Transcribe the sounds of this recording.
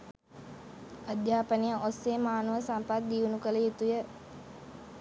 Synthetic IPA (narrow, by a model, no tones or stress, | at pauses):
əd̪jaːpənijəʔosːeːmaːnuʋəsampat̪̚d̪iunukələjut̪ujə